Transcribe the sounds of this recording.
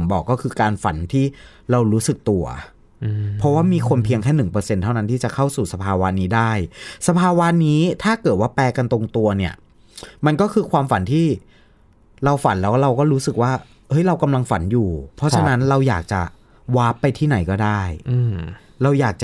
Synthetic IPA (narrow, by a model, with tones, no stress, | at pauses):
mbɔː˨˩kːɔː˥˩kʰɯː˧kaː˧nfa̰˩˦nt̪ʰiː˥˩ | ɾa˧wɾuː˦˥sɯ˨˩k̚t̪u˧ɐ̰ | pʰɔ˦˥waː˥˩miː˧kʰo˧npʰi˧əŋkʰɛː˥˩nɯ˨˩ŋpɤː˧se˧nt̪ʰa˥˩wna˦nt̪ʰiː˥˩t͡ɕa˨˩kʰa˥˩wsuː˨˩sa˧pʰaː˧wa˦˧niː˦˥daː˥˩jsa˧pʰaː˧wa˦˥niː˦˥t̪ʰaː˥˩kɤː˨˩t̪̚waː˥˩plɛː˧ka˧nt̪o˧ŋt̪u˧ɐni˦˥˩ɐ | ma˧nkɔː˥˩kʰɯː˧kʰwaː˧mfa˨˦nt̪ʰiː˥˩ | ɾa˧wfa˩˦nlɛː˦˥wkɾa˧wkɔː˥˩ɾuː˦˥sɯ˨˩k̚waː˥˩ | hɤ˦˥jɾa˧wka˧mla˧ŋfa˩˦njuː˨˩pʰɔ˦˥t͡ɕʰa˧na˦˥nɾa˧wjaː˨˩k̚t͡ɕa̰˨˩ | waː˦˥pːa˧jt̪ʰiː˥˩na˩˦jkɔː˥˩daː˥˩j | ɾa˧wjaː˨˩k̚t͡ɕa˨˩